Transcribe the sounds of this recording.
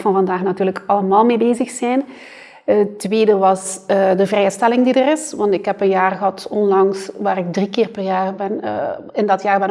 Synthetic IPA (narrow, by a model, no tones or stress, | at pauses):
fɑnvɑndaːxnatyːrləkɑləmaːlˠmeːbeːzəxsɛjn | ətʋeːdəʋɑsədəvrɛjəstɛlɪŋdidərɪsʋɑntɪkɦɛpənjaːrɣəɦɑtɔnlɑŋsʋaːɾɪɡ̚drikɪːrpərjaːrbɛn̰ | ɪndɑtjaːrbɛn